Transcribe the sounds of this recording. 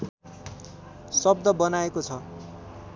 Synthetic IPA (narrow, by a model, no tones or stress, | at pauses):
sʌb̚d̪ʌbʌnaekot͡sʰʌ